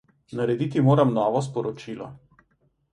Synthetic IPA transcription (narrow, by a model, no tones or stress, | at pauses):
nɐɾɛd̪it̪imoːɾamnɔːʋɔs̬pɔɾɔt͡ʃilɔ